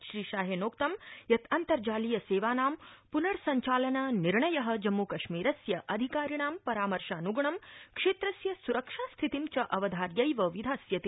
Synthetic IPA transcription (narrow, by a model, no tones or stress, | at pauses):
ʃɾiːʃaːɦenoːkt̪ɐmjɐt̪ɐnt̪ɐɾd͡ʒaːlijɐseːʋaːnaːmpunɐɾsɐɲt͡ʃaːlɐnɐniɾɳɐjɐɦɐ̆d͡ʒɐmːukɐʃmiːɾɐsjɐʔɐd̪ʱikaːɾiɳaːmpɐɾaːmɐɾʃaːnuɡɳɐmkʂeːt̪ɾɐsjɐsuɾɐkʂaːst̪ʰit̪imt͡ʃɐʔɐʋɐd̪ʱaːɾjɐjʋɐʋid̪ʱaːsjɐt̪i